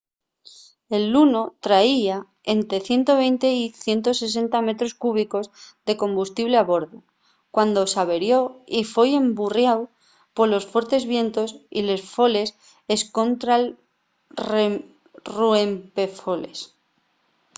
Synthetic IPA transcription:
e̞lːuno̞t̪ɾaia | e̞nt̪ɾe̞θje̞nt̪o̞β̞e̞jnt̪e̞iθje̞nt̪ose̞s̬e̞nt̪ame̞t̪ɾo̞skuβ̞iko̞zðe̞kõ̞mbust̪iβle̞aβo̞ɾðo | kwand̪o̞saβe̞ɾjo̞ifeje̞mburjaw | po̞lo̞sfwe̞ɾt̪e̞zβje̞nt̪o̞sḭle̞sfo̞le̞s | e̞sko̞nt̪ɾal | re | ruempefo̞le̞̰s

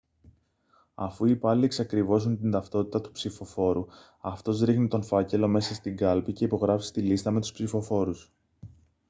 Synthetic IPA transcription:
ɐ̰fuipɐlieksɐkɾivo̞sunt̪ind̪ɐft̪o̞t̪i̥t̪ɐt̪u̥psifo̞fo̞ɾu | ɐft̪o̞zɾixnit̪onfɐce̞lo̞me̞sɐst̪iŋɡɐlpice̞ipo̞ɣɾɐfist̪ilist̪ɐme̞t̪u̥spsifo̞fo̞ɾus

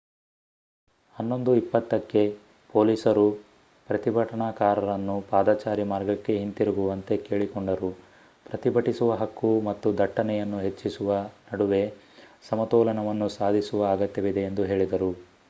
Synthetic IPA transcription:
hɐnːo̞nd̪uipːɐt̪ːɐkːe̞ | po̞ːliːsɐɾu | pɾɐt̪ibʱɐʈɐɳaːkaːɾɐɾɐnːupaːd̪aːt͡ʃaːɾimaːɾɡɐkːe̞ɦint̪iɾuɡuʋɐnt̪e̞ke̞ːɭikoɳɖɐɾu | pɾɐt̪ibɐʈisuʋɐɦɐkːumɐt̪ːud̪ʱɐʈːɐnɛjɐnːuɦe̞t͡ʃːisuʋɐnɐɽuʋe̞ | sɐmɐt̪ɔːlɐnɐʋɐnːusaːd̪ʱisuʋɐːɡɐt̪ːjɐʋid̪e̞ːnd̪uɦe̞ːɭid̪ɐɾu

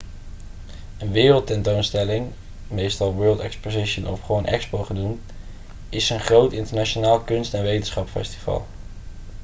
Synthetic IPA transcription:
ənʋɪːrəlˠtɛntownstɛlɪŋ | mejstɑlˠʋɜːlˠtɛkspozɪʃənɔfχʋownʔɛ̰kspowχənum | ɪsənχrowtɪntəɹnat͡ʃonaːlˠkɵnstɛnʋejtənsχɑpfɛ̰sti̥vɑ̰lˠ

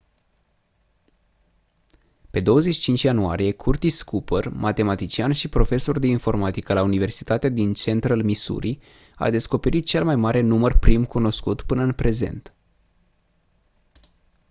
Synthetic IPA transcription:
pe̞d̪o̞wəzeʃi̥t͡ʃint͡ʃʲjanua̰ɾije̞kʰurt̪iskupərmat̪e̞mat̪it͡ʃianʃipɾo̞fe̞so̞rd̪einfo̞rmat̪ikəlaunive̞rsi̥t̪at̪ead̪int͡ʃe̞nt̪ɾalmisṵɾi | a̰d̪e̞sko̞pe̞ɾit̪̚t͡ʃe̞lmajmaɾe̞numərpɾimkuno̞skut̪pɨnəɨnpɾe̞ze̞̰nt̪

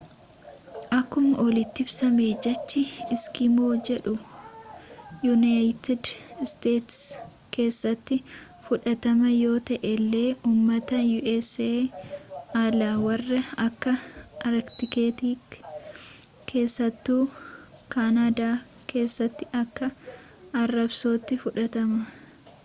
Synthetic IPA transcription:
ʔɐkːʊmʔɔlɪt̪ːɪbsɐmeːd͡ʒɐt͡ʃːɪɪskɪmoːd͡ʒɛᶑʊ | jʊnajt̪ɪd̪ɪst̪eːt̪s | ke̞ːsːɐt̪ːɪ | fʊᶑɐt̪ɐmɐjo̞ːt̪ɐʔɛlːe̞ːuːmːɐt̪ɐjuːʔɛseː | aːlaːwɐrːɐɐkːɐʔɐɾɛkt̪ɪke̞ːt̪iːk | kʰe̞ːsːɐt̪ːuːkanaːd̪aː | kʰe̞ːsːɐt̪ːɪʔɐkːɐ | ɐrːɐbsoːt̪ːɪfʊᶑɐt̪ɐmɐ

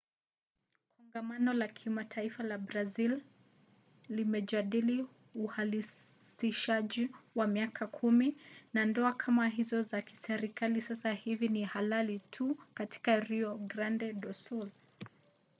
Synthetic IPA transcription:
kʰɔŋɡamanɔlakʰimatʰaifalabɾazil | limɛʄaɗili | uhali | siʃaʄiwamiakʰakʰuminandɔakʰamaɦizɔzaki̥sɛɾikalisasahivinihalalitʰukati̥kaɾiɔɡɾandɛɗɔsul

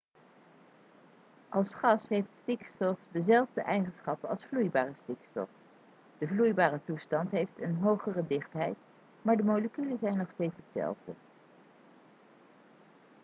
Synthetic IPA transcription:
ʔɑlˠsχɑsɦejftstikstɔfdəzɛlˠvdəʔɛjχənsχɑpəɑ̰lˠsflujbaːrəstikstɔ̰f | d̥əvlujbaːrətustɑntɦejftənɦowχərədɪχtɦɛjt | maːɹdəmowləkyləzɛjnːɔχstejtsɦətsɛ̰lˠvdə̰

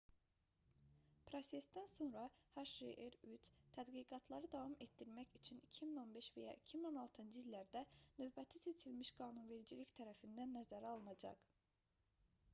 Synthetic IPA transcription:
pʰɾose̞sd̪ænso̞nɾɑhɑʃɾeʔeɾyt͡ʃt̪ʰæd̪ɡiɡɑt̪ʰlˠɑɾɯd̪ɑvɑmet̪d̪iɾmæçyt͡ʃʰynicʰimino̞nbe̞ʃvæjɑ̰ʔicʰimino̞nɑlˠt̪ʰɯnd͡ʒɯilːæɾd̪ænø̞vbæt̪ʰise̞t͡ʃʰilmiʃɡɑːnunve̞ɾid͡ʒiliçt̪ʰæɾæfind̪ænːæzæɾɑlˠnɑd͡ʒɑ̰k

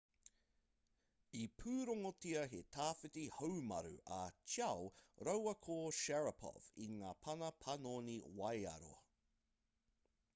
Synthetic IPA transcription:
ipʰʉːɾoŋotiɐɦetʰaːfɪtihowmɐ̰ɾʉ̰ʔɐt͡ʃɐwɾowɐkʰoʃɛɹɐpʰɔ̰v̥ḭŋaːpʰɐnɐpʰɐnoːniwɐjɐ̰ɾo̰

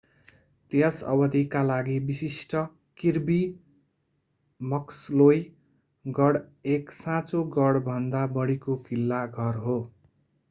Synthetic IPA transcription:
t̪eʌsʌ̰bʌt̪ikalaɡibisisʈʌ | kirbi | mʌksloj | ɡʌɽeksãt͡soɡʌɽbʱʌnd̪abʌɽikopʰilːaɡʱʌrɦo

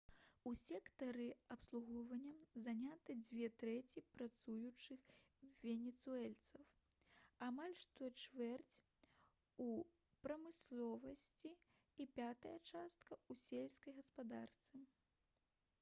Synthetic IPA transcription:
usʲɛkt̪ɐɾɨɐpslˠuɣɔvɐnʲːɐzanʲat̪ɨd͡zʲvʲɛt̪ɾɛt͡sʲipɾat̪sujut͡ʂɨxvʲɛnʲɛt̪suɛlʲt̪sɐw | amalʲʂt̪ɔt͡ʂvɛrt͡sʲ | u | pɾɐmɨslˠɔvɐsʲt͡sʲiː | pʲat̪ɐjɐt͡ʂast̪kɐusʲɛlʲsʲkɐjɣɐspad̪art̪sɨ

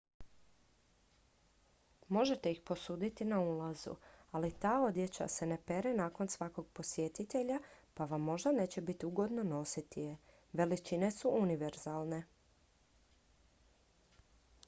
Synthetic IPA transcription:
mo̞ʒe̞t̪e̞ixpo̞suːd̪it̪inauːlazṵalit̪aːo̞d̪jet͡ɕa̰se̞ne̞pe̞ɾenaːko̞nsʋako̞ɡ̚po̞sje̞t̪it̪e̞ʎapaʋamːo̞ʒd̪ane̞ːt͡ɕe̞bit̪iuɡo̞d̪no̞no̞sit̪ije̞ | ʋe̞lit͡ʃine̞suʔuniʋe̞ɾz̥aːlˠne̞

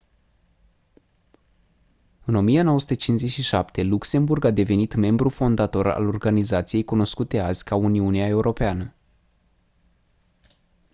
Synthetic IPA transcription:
ɨno̞mijeno̞wəsut̪ət͡ʃinze̞t͡ʃʲʃiʃapt̪ʰe̞lukse̞mburɡad̪e̞ve̞nit̪me̞mbɾufo̞nd̪at̪o̞ɾa̰lo̞rɡanizat̪sijejkuno̞skut̪e̞azʲkʰauniuneae̞uɾʔo̞peanə

